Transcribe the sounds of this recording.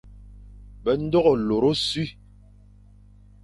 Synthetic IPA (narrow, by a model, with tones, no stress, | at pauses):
bɛ˨n̩˦dɔ˦ɣɔ˨lo˨ɾo˦sɥi˦